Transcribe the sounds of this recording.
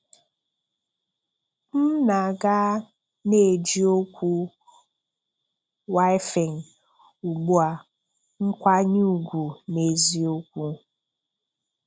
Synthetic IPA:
m̩˦na˨ɡa˦ | ne˨d͡ʒi˦o˦kʷu˦ | wa˦ɪ˦fe˨ŋ̩˨ | u˨ɡ͡bu˦a˨ | ŋ̩˦kʷa˦ɲu˦u˨ɡʷu˨me˨zi˨o˦kʷu˦

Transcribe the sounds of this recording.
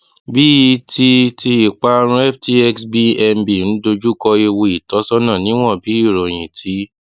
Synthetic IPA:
bi˦i˧ti˧ti˧i˨k͡pa˧ɾ̃ũ˧˦ɛ˦fti˧ɛ˦ksbi˧ɛ˧mbi˨ñ̩˨˦do˧d͡ʒu˦kɔ˧e˧wo˧i˨tɔ˨˦sɔ˦nã˦˨nĩ˨˦w̃ɔ̃˦˨bi˨˦i˦˨ɾɔ̃˨j̃ĩ˨tʰi˨˦

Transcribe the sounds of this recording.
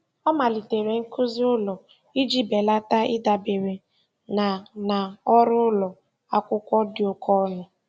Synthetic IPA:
ɔ˦ma˨li˨te˨ɾe˨ŋ̩˦kʊ˦zʊ˦lɔ˨ | i˦d͡ʒi˦be˨la˦ta˦ɪ˦da˨be˨ɾe˨ | na˨na˨ɔ˦ɾʊ˦lɔ˨ | a˦kʷʊ˦kʷɔ˦dɪ˦ʊ˨kʰɔ˦nʊ˦

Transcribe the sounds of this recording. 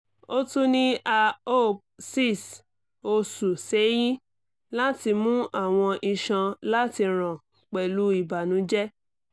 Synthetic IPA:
o˦tũ˦nĩ˦a˧o˦˨ | si˦˨s | o˧su˨se˨˦j̃ĩ˦ | la˦ti˧mũ˦a˦˨w̃ɔ̃˧ʔi˧ʃã˧la˦ti˧ɾ̃ã˨ | k͡pɛ˨lu˨˦i˦˨ba˨nũ˨˦d͡ʒɛ˦

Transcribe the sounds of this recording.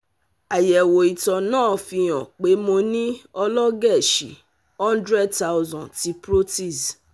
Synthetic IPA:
a˨jɛ˨wo˨i˨tɔ˧nãː˦˨fĩ˧ɔ̃˨k͡pe˨˦mõ˧nĩ˦ɔ˧lɔ˦ɡɛ˦˨ʃḭ˨ | hɔ̃˦n˦dɾɛ˦dta˦zɔ̃˨nti˧pɾo˦ti˦˨z

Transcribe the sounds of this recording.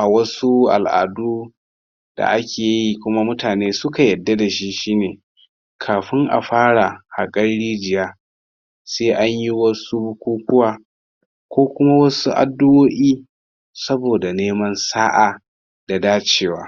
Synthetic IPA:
a˨wɐ˦su˦ʔa̰˨lʔa̰ː˨duː˦ | d̥a̰˨ʔa˦kʲeː˨ji˦kʷʊ˦ma˦mʊ˦taː˨neː˦sʊ˦ka˨jɐ˨dːa˦da˨ʃi˦ʃiː˦neː˨ | kʰaː˨ɸɪ˦ŋʔa̰˨ɸaː˦ɽa˨ha˨kʼɐ˦ɽɽiː˦d͡ʒɪ˨jaː˦ | seː˦ʔa˦ɲji˦wɐ˦su˦bʊ˦kʷuː˦kʷʊ˦waː˨ | kʷoː˦kʷʊ˦ma˦wɐ˦su˦ʔa̰˨dːʊ˦ʔoː˦ʔiː˦ | sɐ˦boː˨da˨neː˦mɐ˦nsaː˦ʔa˨ | d̥a˨daː˦t͡ʃeː˦˨wa̰ː˦

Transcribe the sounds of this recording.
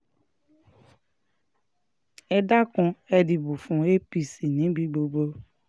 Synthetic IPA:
ɛ˧da˦kũ˧ɛ˧di˧bu˨fũ˨e˦pi˧si˨nĩ˨˦bi˧˦ɡ͡bo˧ɡ͡bo˧

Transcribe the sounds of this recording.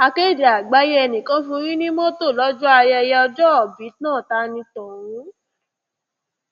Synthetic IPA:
a˧ke˦˨d͡ʒe˨a˨ɡ͡ba˨˦je˦ɛ˧nĩ˨kã˨˦fũ˧˦ɾĩ˦nĩ˦mɔ̃˦to˦˨lɔ˦d͡ʒu˦a˧jɛ˧jɛ˧ɔ˧d͡ʒɔ˦ɔ˨bi˨˦nãː˦˨ta˦nĩ˧tɔ̃˨wũ˨˦

